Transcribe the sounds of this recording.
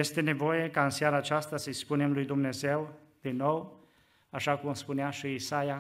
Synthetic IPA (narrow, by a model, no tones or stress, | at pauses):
je̞st̪e̞ne̞vo̞je̞kaɨnsaɾaːt͡ʃast̪asəjspune̞mlujd̪umne̞ze̞w | d̪̥inːo̞w | aʃakumspuneaʃiisaja